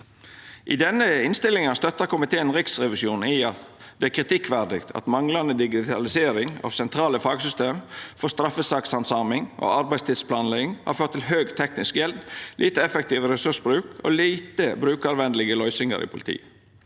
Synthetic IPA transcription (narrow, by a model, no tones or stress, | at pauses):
ʔɪd̪ɛnːəɪnst̪ɪlɪŋɑst̪œt̪ːəkʰʊmɪt̪ʰeːənɾɪksɾɛʋɪʃuːn̩iːɑt̪d̪ɛækʰɾɪt̪ʰɪkːʋæɾd̪ɪkt̪ʰɑ̰t̪mɑŋlɑnəd̪ɪɡɪt̪ʰɑlɪseːɾɪŋɑ̰ːʋsɛnt̪ʰɾɑːləfɑːɡsʏst̪eːmfɔst̪ɾɑfəsɑksɑnsɑːmɪŋʔo̰ːɑɾbæɪst̪ɪːd̪spʰlɑːnlɛɡɪŋhɑ̰ɾføːt̪ʰːɪlɦøːɡt̪ʰɛknɪskjɛld̪lʔiːt̪əɛfɛkt̪iːʋəɾɛsʉsbɾʉːkʰo̰ːliːt̪əbɾʉːkɑɾʋɛnd̪əlɪɡəlœʏsɪŋə̰ɾḭːpʰʊlɪt̪ʰḭːə